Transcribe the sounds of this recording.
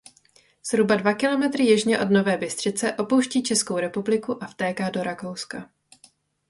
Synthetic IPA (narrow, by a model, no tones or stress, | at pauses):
z̥ɦɾubadvakɪlo̞mɛt̪ɾɪjɛʒɲɛʔo̞dno̞vɛːbɪst̪r̝̥ɪt͡sɛʔo̞po̞wʃciːt͡ʃɛskowɾɛpublɪkuʔaft̪ɛːkaːdo̞ɾako̞wska